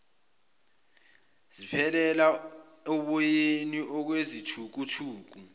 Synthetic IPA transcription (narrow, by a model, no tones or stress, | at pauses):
zipʰɛlɛla | ɔɓɔjeniʔɔk̬wezitʰuk̬utʰuːk̬u